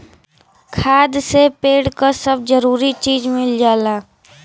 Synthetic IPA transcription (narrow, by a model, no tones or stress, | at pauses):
kʰaːd̪sepeːɽkasɐbd͡ʒəɾuːɾit͡ʃiːd͡ʒmɪld͡ʒaːlaː